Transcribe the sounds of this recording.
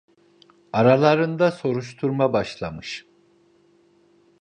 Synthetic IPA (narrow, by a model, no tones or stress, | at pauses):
aɾalˠaɾɯnd̪aso̞ɾuʃ̬t̪ʰuɾmabaʃlˠamɯʃ